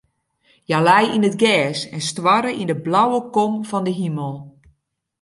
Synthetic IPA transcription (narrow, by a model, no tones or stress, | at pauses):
jalɛjinətɡɛːsɛnstʋaɾəʔindəblawəkɔmfɔndəɦiməlˠ